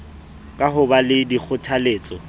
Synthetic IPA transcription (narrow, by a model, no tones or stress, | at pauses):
kʼaɦʊbalɪdik͡xʰʊtʰaleːt͡sʼɔ